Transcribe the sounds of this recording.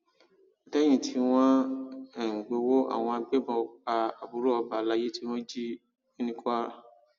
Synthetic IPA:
a˨tɛ˦j̃ĩ˦˨tʰi˨˦w̃ɔ̃˦ɛ˨ŋ̩˨ɡ͡bo˧˦wo˦a̰˦˨w̃ɔ̃˧a˧˨ɡ͡be˦bɔ̃˧k͡pa˧a˨bu˨˦ɾu˦ɔ˧ba˨la˧˦je˦ti˦mɔ̃˦d͡ʒi˦ | e˦nĩ˦kɔ˦a˦ɾa˦˨

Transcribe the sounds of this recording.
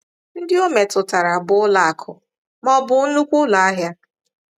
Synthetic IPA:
n̩˦dɪ˦o˦me˨tʊ˨ta˨ɾa˨bʊ˦ʊ˦la˨a˨kʰʊ˨ | mɔ˦bʊ˨˦nu˦kʷʊ˦la˨a˦ɦja˦

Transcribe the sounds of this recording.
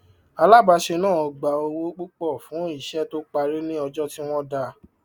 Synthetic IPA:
a˧la˦˨ba˧ʃe˧nãː˦˨ɔ˧ɡ͡ba˨o˧wo˦k͡pu˦k͡pɔ˦˨fũ˨˦i˦˨ʃɛ˦to˦k͡pa˧ɾe˦nĩ˦ɔ˧d͡ʒɔ˦ti˦w̃ɔ̃˦da˧

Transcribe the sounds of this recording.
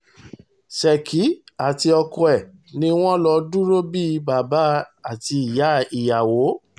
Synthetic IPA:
sɛ˨kʰi˨˦a˨ti˧ɔ˧kɔ˧ɛ˨ | nĩ˦w̃ɔ̃˦lɔ˧dũ˦ɾo˦bi˦˧ba˨ba˨˦a˦˨ti˧i˨ja˨˦i˨ja˨wo˨˦

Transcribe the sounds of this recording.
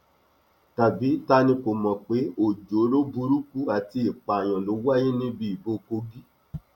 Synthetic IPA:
ta˨bi˨˦ta˧nĩ˧ko˨mɔ̃˨k͡pe˨˦o˨d͡ʒo˨˦ɾo˦bu˧ɾu˦ku˦a˨ti˧i˨k͡pa˨j̃ã˨lo˨˦wa˦jĩ˦nĩ˦bi˧˦i˨bo˧ko˧ɡi˦

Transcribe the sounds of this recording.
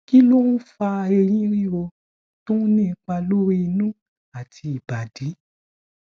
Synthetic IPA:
ki˦lo˦nũ˦fa˧e˧ɾ̃ĩ˦ɾi˦o˧ | tũ˦nĩ˦˨˧k͡pa˧lo˦ɾi˦i˧nũ˦ | a˨tʰi˧i˨ba˨di˨˦

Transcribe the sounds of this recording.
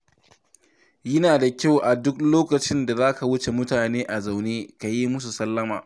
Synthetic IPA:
jɪ˦naː˨da˨kʲa˦˨wʔa˨dʊ˦k̚loː˦kɐ˨t͡ʃɪ˦nda˨zaː˦ka˨wʊ˦t͡ʃe˨mʊ˦taː˨neː˦ʔa˨za˨wneː˦ka˨ji˦mʊ˦s̬u˨sɐ˦lːɐ˦maː˨

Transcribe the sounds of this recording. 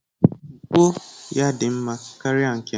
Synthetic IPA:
kʷo˦ja˦dɪ˨m̩˦ma˨ka˦ɾɪ˦a˦˨ŋ̩˨kʲe˨

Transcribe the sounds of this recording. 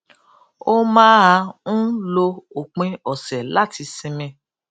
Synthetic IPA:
o˦mãː˦a˧ũ˦lo˧o˨k͡pẽ˧ɔ˨sɛ˨la˦ti˧sĩ˧mɛ̃˧

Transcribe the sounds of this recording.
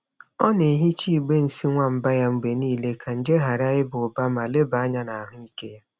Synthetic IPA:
ɔ˦ne˨ɦi˦t͡ʃi˦˨ɡ͡be˦n̩˨si˦ŋʷa˦m̩˨ba˦ja˦ŋ͡m̩˨ɡ͡be˨niː˦˨le˦kʰa˨n̩˨d͡ʒe˦ɦa˨ɾa˦jɪ˦bʊ˨ba˦ma˨le˦ba˨a˦ɲa˦na˨a˨ɦʊ˦i˦ke˦ja˦

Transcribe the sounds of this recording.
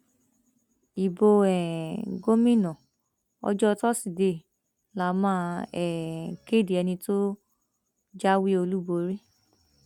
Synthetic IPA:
i˨bo˧ɛ˨ɡo˦mĩ˦˨nɔ̃˨ | ɔ̰˦d͡ʒɔ˦˧tɔ˦si˨de˧˨ | la˨mãː˦ɛ˨ke˦˨di˨ɛ˧nĩ˧to˦ | d͡ʒa˦wi˦o˧lu˦bo˧ɾi˦

